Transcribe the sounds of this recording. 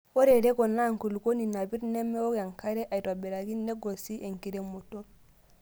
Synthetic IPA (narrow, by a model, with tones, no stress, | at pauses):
o˦ɾe˨ɾe˦ɡo˨na˦ŋku˨lu˨ko˦ni˨na˨bi˦ɾne˦mːe˦wo˦ɡa˨ŋka˦ɾe˦ʔa˨i˨to˨be˨ɾa˨ɡi˦nːe˦ɡo˨si˦ʔe˨ŋki˨ɾe˦mu˨to˦